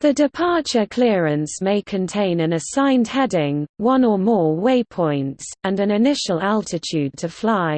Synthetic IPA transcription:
ðədɪpʰɑˑt͡ʃəkʰl̥ɪəɹə̃nsmeɪkʰə̃ntʰẽɪ̃nə̃nəsãɪ̃nd̥hɛdɪ̃ŋwʌ̃nəmɔːweɪpʰɔ̃ɪ̃ntsə̃nə̃nɪnɪʃəlalˠtʰɪtʰʉːd̚tʰəflaɪ

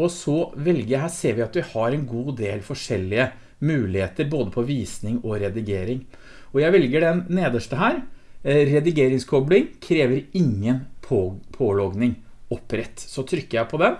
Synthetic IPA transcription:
ɔsɔʋɛlɡəjæɪɦæːseːɾʋɪɑt̪ʋɪhɑɾɛnɡuːd̪eːlfɔʂɛlːɪə | mʉːlɪheːt̪əɾboːd̪əpʰɔʋiːsnɪŋɔɾɛd̪ɪɡeːɾɪŋ | ɔjæɪʋɛlɡəɖɛnːeːd̪əʂʈəɦæːɾɾɛd̪ɪɡeːɾɪŋskʰɔblɪŋkʰɾeːʋəɾɪŋːənpʰopʰoːlɔɡnɪŋ | ɔpːɾɛt̪ːsɔt̪ʰɾʏkːəjæɪpʰɔd̪ɛm

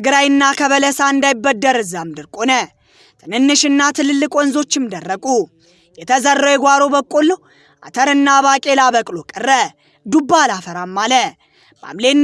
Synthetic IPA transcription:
t̪ɨɡɨɾajɨnːakʰəβələsaɨnd̪ajbːəd̪ːəɾɨzːamd̪ɨɾkʼonə | t̪ʰɨnɨnːɨʃɨnːat̪ʰɨlɨlːɨkʼonzo̞t͡ʃːɨmd̪ərːəkʼu | jɛt̪ʰəzərːəwjɛɡʷaɾo̞bəkʼːolːəw | ʔat̪ʰəɾɨnːaβakʼe̞labəkʼlokʼɨrːə | d̪ubːalafəɾamːalə | b̥a̰mlenː

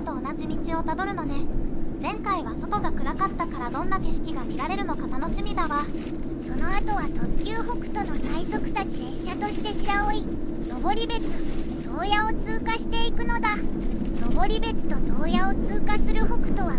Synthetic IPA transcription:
t̪o̞ːnaʑimʲit͡ɕio̞t̪ad̪o̞ɾɯ̟no̞ne̞d͡zẽ̞ŋkaiβaso̞t̪o̞ɡakɯ̟ɾakat̪ːakaɾad̪õ̞nːakeɕi̥kʲiɡamʲiɾaɾe̞ɾɯ̟no̞kat̪ano̞ɕimʲid̪aβa | so̞no̞at̪o̞βat̪o̞kʲɨːho̞kɯ̟̥t̪o̞no̞saiso̞kɯ̟̥t̪at͡ɕiɾe̞ɕːat̪o̞ɕi̥t̪e̞ɕiɾaoi | no̞bo̞ɾʲibe̞t͡sɨt̪o̞ːjao̞t͡sɨːkaɕi̥t̪e̞ikɯ̟no̞d̪ano̞bo̞ɾʲibe̞t͡sɨ̥t̪o̞t̪o̞ːjao̞t͡sɨːkasɨɾɯ̟ho̞kɯ̟̥t̪o̞β̞a

